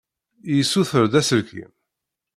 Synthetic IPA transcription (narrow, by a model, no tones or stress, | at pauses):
jisːuθəɾd̪æsəlkḭm